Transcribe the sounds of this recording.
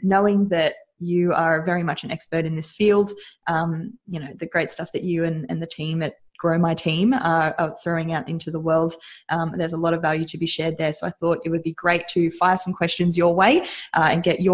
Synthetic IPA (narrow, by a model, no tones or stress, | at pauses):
noʊɪ̃ŋðɨt͡ʃ | ɨə˞vɛɹimʌt͡ʃɨ̃nɛkspə˞ɾɨ̃nðɪsfilˠdʔʌ̃mjɨñoʊðɨɡɹeɪtstʌfðɨt͡ʃɨɨ̃nɨ̰̃nðɨtʰĩmɨt̚ɡ̥ɹoʊmaɪtʰĩmʌəθɹoʊɪ̃ŋaʊɾʔɪ̰̃ntʰʉðəwɜ˞lˠd̥ʔʌ̃mðə˞zəlɔɾʌvːælˠjʉɾɨbiʃɛɹd̪̚ðə˞soʊaɪθɔɾɪt̚wɨd̚biɡɹeɪtʰɨfaɪə˞sʌ̃m̩kʰw̥ɛst͡ʃɨ̃nzjə˞weɪʔʌɨ̰̃nɡɛt͡ʃə